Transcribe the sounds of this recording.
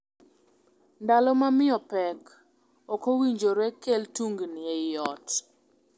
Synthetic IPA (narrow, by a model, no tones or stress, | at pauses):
ndalɔmamɪɔpɛk | ɔkowiɲd͡ʒoɾɛkeltuŋɡnɛjɔt